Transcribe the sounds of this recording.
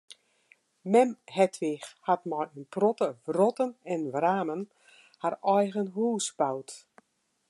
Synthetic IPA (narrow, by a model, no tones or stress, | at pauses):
mɛmhɛtʰʋɪxhatmɔjənprɔtəvrɔtənɛnʋraːmən | harɔjɣənɦuːsbawt